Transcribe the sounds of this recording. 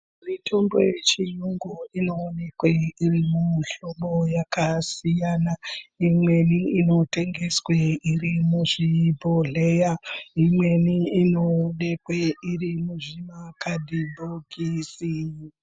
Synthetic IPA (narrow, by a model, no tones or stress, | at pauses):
ritʰo̞mbo̰jet͡ʃijuŋɡuino̞ːne̞kweirimunɬomo̞jakasijaːnaimwe̞niino̞te̞ŋɡe̞sweirimuʐibʱoɮejaimwe̞niːno̞ːne̞kweirimuʐimakʰadʱibʱoɡʱisi